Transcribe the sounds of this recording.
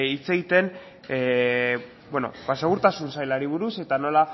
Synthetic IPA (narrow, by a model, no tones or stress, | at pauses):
it͡se̞ɣit̪e̞n | bwono̞̰base̞ɣ̞uɾt̪asunsajlaɾiβ̞uɾuse̞t̪ano̞la